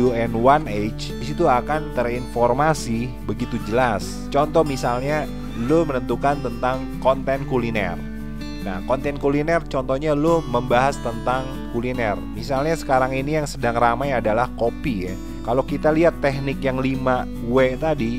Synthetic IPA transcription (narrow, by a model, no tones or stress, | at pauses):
uɛnwanet͡ʃdisit̪uakant̪ərinfɔrmasi | bəɡit̪ud͡ʒəlas | t͡ʃɔnt̪ɔmisalɲa | lʊmənənt̪ukant̪ənt̪aŋ | kɔnt̪ɛnkulinɛ̰r | na̰hkɔnt̪ɛnkulinɛrt͡ʃɔnt̪ɔhɲaloməmbaɦast̪ənt̪aŋ | kulinɛrmisalɲasə̥kaɾaŋinijaŋsədaŋramajadalahkopija̰ | kalokit̪aliɦat̪ːɛhnɪkjaŋlima | wɛt̪adi